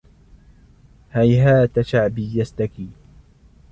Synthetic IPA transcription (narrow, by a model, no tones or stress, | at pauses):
hajɦaːt̪aʃaʕbijast̪akiː